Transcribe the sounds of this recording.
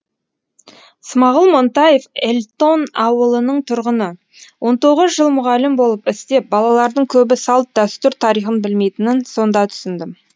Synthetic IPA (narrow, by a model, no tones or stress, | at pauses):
smɑʁəlˠmo̞nt̪ɑje̞felʲt̪o̞nɑwəlˠənəɴt̪ʰʊɾʁənə | wo̞nt̪o̞ʁəzʒəlˠmʊʁɑlɪmbo̞lˠəpɪst̪e̞p̚bɑlˠɑlˠɑɾd̪əɴkʲʰɵbɪsɑlˠt̪̚d̪æst̪ʏɾt̪ʰɑɾijχənbɪlme̞jt̪ɪnɪnso̞nd̪ɑt̪ʰʏ̥sɪnd̪ɪm